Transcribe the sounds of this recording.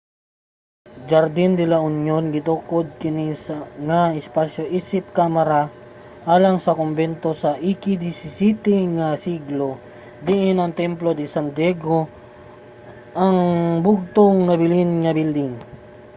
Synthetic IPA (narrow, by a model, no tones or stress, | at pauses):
d͡ʒɐɾd̪ind̪ɪlaʊnjonɡɪt̪ukod̪̚kɪnisɐŋɐɪspasjoʔiːsɪp̚kamɐɾa | ʔaːlɐŋsɐkombɛnt̪o̞sɐʔikid̪isɪsit̪iŋɐsiɡlo̞ | d̪iʔɪnɐŋt̪ɛmplod̪ɪsɐnd̪jɛɡo | ʔɐŋbʊɡ̚t̪oŋnɐbɪlinŋɐbild̪ɪŋ